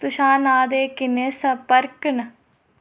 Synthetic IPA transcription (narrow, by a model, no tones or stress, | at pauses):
t̪uʃaːnaːd̪eːkɪnesɐpɐɾknɐ